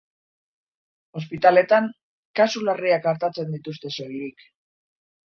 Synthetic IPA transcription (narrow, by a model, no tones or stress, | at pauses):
o̞spit̪ale̞t̪aŋ | kasulariakaɾt̪at͡se̞nd̪it̪ust̪e̞sojɾik